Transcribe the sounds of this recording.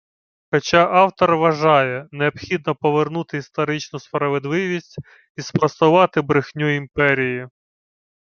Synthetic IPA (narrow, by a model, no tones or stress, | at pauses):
xɔt͡ʃɑʔɑwt̪ɔrʋɐʒɑjɛneɔbxʲid̪nɔpɔʋernut̪ɪist̪ɔɾɪt͡ʃnʊspɾɐʋed̪lˠɪʋʲisʲtʲ | ispɾɐst̪ʊʋɑt̪ɪbɾɪxnʲuimpɛɾʲiji